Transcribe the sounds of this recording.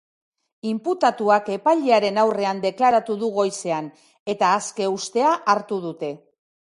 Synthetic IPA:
imput̪at̪uake̞paʎeaɾe̞nawre̞and̪e̞klaɾat̪uðuɣo̞jse̞an | e̞t̪aːske̞ust̪e̞aʔaɾt̪uðut̪e̞

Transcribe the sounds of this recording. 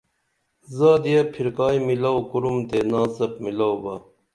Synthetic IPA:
zaːd̪ijɐpʰiɾkaːjmilɐwkuɾumd̪enaːsɐp̚milawbɐ

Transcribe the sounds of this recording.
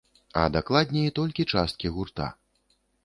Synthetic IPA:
ɐ̰d̪aklˠad̪ʲnʲɛit̪ɔlʲkʲit͡ʂast̪̚kʲiɣurt̪a̰

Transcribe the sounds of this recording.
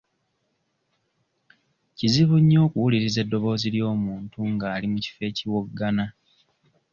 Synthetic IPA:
ciziβuɲːo̞ːkuwuliɾize̞dːo̞βo̞ːziljo̞ːmuːntuŋɡaːlimuci̥fe̞ːciwoɡːana

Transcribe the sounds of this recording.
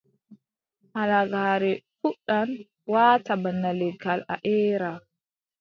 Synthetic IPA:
halaɡaːɾɛfuɗan | waːtabanːalɛɡala̰ʔɛːɾa

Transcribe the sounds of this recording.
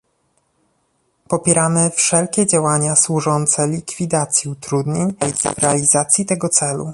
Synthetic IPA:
pɔpʲjɛɾamɘfʂɛlkʲɛd͡ʑawaɲaswuʐɔnt̪sɛlʲikfʲid̪at̪sʲjiut̪ɾud̪ɲeɲvɾɛalʲizat̪sʲjit̪ɛɡɔt̪sɛlṵ

